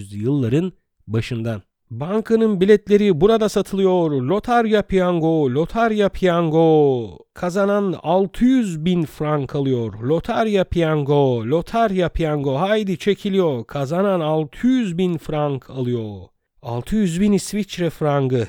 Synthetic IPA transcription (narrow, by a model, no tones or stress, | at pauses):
zjɯlˠːaɾɯn | baʃɯnd̪an | baŋkʰanɯnbilʲɛt̪lʲe̞ɾibuɾad̪asat̪ʰɯlˠɯjo̞ɾlʲo̞t̪ʰaɾjapʰjaŋɡolʲo̞t̪ʰaɾjapʰjaŋɡokʰazananalˠt̪ʰɯjyzbinfɾaŋkʰalˠɯjo̞ɾlʲo̞t̪ʰaɾjapʰjaŋɡolʲo̞t̪ʰaɾjapʰjaŋɡo̞ɦajd̪it͡ʃʰe̞cʰilʲijo̞ɾkʰazananalˠt̪ʰɯjyzbinfɾaŋkʰalˠɯjo̞ | a̰lˠt̪ʰɯjyzbinisvit͡ʃɾɛfɾaŋɡɯ